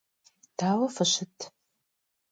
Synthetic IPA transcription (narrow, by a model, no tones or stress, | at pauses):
d̥aːwɐfɨɕɪtʰ